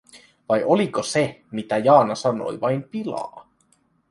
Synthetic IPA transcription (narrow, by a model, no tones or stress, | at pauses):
ʋɑjʔo̞liko̞semit̪æjɑːnɑsɑno̞̰jʋɑjmpilɑ̰ː